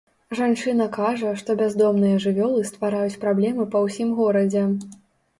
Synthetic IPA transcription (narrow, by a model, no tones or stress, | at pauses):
ʐant͡ʂɨnɐkaʐɐʂt̪ɔbʲazd̪ɔmnɨjɐʐɨvʲɔlˠɨst̪vaɾajut͡sʲpɾablʲɛmɨpɐwsʲimɣɔɾɐd͡zʲɛ